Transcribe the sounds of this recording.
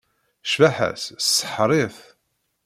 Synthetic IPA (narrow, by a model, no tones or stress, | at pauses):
ʃvaħæ̰ssːə̥ħɾˤiθ